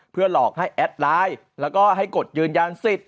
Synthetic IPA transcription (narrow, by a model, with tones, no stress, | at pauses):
pʰɯ˥˩ɐəlɔː˨˩k̚ha˥˩jʔɛ˦˥t̪̚laː˦˥j | lɛː˦˥wkɔː˥˩ɦa˥˩jko˨˩t̪̚jɯː˧nja˧nsi˨˩t̪̚